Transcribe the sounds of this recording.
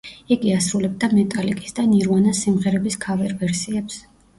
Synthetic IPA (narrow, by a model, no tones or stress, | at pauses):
iɡiasɾulɛb̚d̪amɛt̪ʼalikʼi̥sd̪aniɾwanasimʁɛɾɛbiskʰavɛɾvɛɾsiɛps